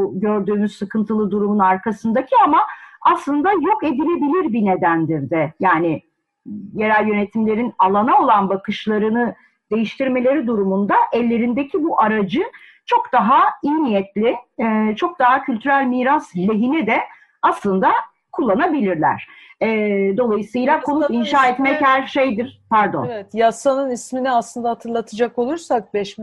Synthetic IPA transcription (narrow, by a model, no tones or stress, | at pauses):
uɟø̞ɾd̪yːmyz̥sɯkʰɯnt̪ʰɯlˠɯd̪uɾumunaɾkʰasɯnd̪acʰiamaːslˠɯnd̪ajo̞ke̞d̪ilʲe̞bilʲiɾbine̞d̪ænd̪iɾd̪ɛjaːnɪ | je̞ɾælʲjø̞net̪ʰimlʲe̞ɾinalˠanao̞lˠanbakɯʃlˠaɾɯnɯ | d̪̥e̞jiʃt̪ʰiɾme̞lʲe̞ɾid̪uɾumund̪aʔɛlʲːe̞ɾind̪ecʰibuʔaɾad͡ʒɯ | t͡ʃʰo̞kd̪aɦaijnijɛt̪lʲɪɛt͡ʃʰo̞k̚d̪aɦacʰylʲt̪ʰyɾælʲmiːɾaslʲe̞ɦinid̪ɛ | aslˠɯnd̪a | kʰulˠːanabilʲiɾlʲæ̰ɾ̥ɛd̪o̞lˠajɯsɯjlˠakʰonupinʃaːɛt̪mɛchæɾʃe̞jd̪iɾ̥pʰæɾd̪o̰nɛt̪jasanɯnisminiaslˠɯnd̪ahat̪ʰɯɾlˠat̪ʰɯd͡ʒako̞lˠuɾsak̚bɛʃ